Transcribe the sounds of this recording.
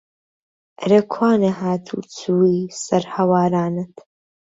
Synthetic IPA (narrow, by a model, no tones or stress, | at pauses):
ʔɾɐkʰwaːnɐhaːt̪ʰṵːt͡sʰuːisɐɾhɐwaːɾaːnɨt̪